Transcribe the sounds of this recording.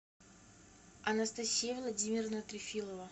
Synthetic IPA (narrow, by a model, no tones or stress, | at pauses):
ɐnɐst̪ɐsʲijəvlˠɐdʲimʲɪrənət̪ɾʲɪfʲilˠəvə